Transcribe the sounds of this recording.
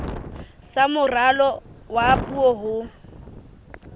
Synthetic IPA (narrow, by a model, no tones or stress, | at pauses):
samʊralɔwapʼuɔɦʊ